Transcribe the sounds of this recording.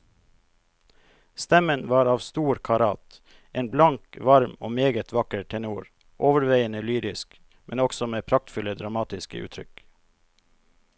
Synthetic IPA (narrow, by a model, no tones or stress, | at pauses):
st̪ɛmənʋɑːɾɑːʋst̪uːɾkʰɑɾɑːt̪ | ʔeːnblɑŋkʋɑɾmoːmeːɡət̪ʰʋɑkəɾʈʰɛnuːɾ | ʔoːʋəɾʋeɪənəlyːɾɪsk | mɛnɔksɔmeːpʰɾɑk̚t̪fʉləd̪ɾɑmɑːt̪ɪskə̰ʔʉ̰ːt̪ʰɾʏk